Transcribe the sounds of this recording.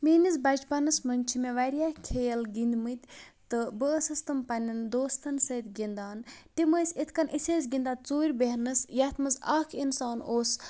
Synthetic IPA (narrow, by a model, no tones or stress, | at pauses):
miːnizbɐd͡ʒpɐnɨsmɐnʲt͡ʃʰimeʋɐɾʲjakʲʰejɐlɡind̪ʲmɨt̪ʲt̪ɨbɨəsɨst̪ɨmpɐnʲɐnd̪oːst̪ʰɐnsəːt̪ʲɡʲind̪aːntimɨːsʲit̪ʰkɐnʔisʲeːs̬ʲɡind̪aːt͡suːɾʲbeɦnɨsjɐt̪ʰmɨzɐkʰinsaːnoːs